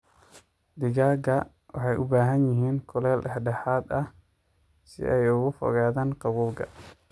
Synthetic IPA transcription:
d̪ɪɣaːɡɐ | wʔɑ̰ħɑjʔʊbaːɦɐnjɪɦiːnkʰʊlɛːlʔħɖɛħaːd̪ɐh | sɪ̰ʔɛjʊɣʊfɔ̰ɣaːðaːnqɑβuːlɡʰɐ

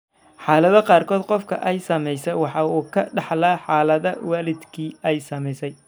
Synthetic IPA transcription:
ħɑːlɐðɐqɑːrkʰɔːd̪qɔfkʰɐ̰ʔɛjsɐmɛjsɛjwɑħɑuːkʰɐɖɑħlaːħɑːlɐðɐwaːlɪd̪kʰiːɛjsɐmɛjsɛj

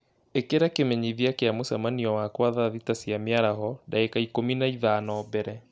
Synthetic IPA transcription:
ekeɾakemɛɲiβiakeamusamaniɔwakwaðaðitasiamiaɾaɦɔɗaɛkaikuminaiðanɔbɛɾɛ

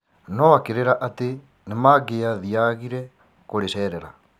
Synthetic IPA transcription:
nɔakeɾeɾaʔate | nemaɣeaðiaɣiɾɛ | koɾeʃɛɾɛɾa

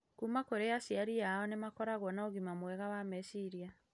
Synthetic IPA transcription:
kuːmakoɾeasiaɾijaɔnemakɔɾaɣwɔnaoɣimamwɛɣawamɛsiɾia

